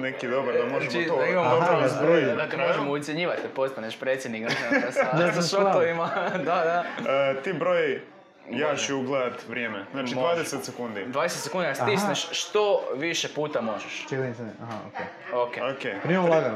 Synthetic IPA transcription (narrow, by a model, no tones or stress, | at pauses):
nekid̪obaɾd̪amoʒt͡ʃid̪aimamoaazɾojd̪at̪emoʒemout̪sʲeɲiːʋat̪epost̪aɲeʃpɾet̪sʲjed̪nik̪esasaʃok̪oʋimad̪ad̪at̪iːbɾoj | jat͡ʃɛuɡlˠed̪at̪ʋɾʲjeːmeznaːt͡ʃiʋaːd̪eset̪sekund̪id̪ʋaːd̪eset̪sekund̪iast̪isnaʃʃt̪oʋiʃepuːt̪amo̞ʒeʃt͡ʃet̪niaɦaoke | okeokepɾimamlaɡan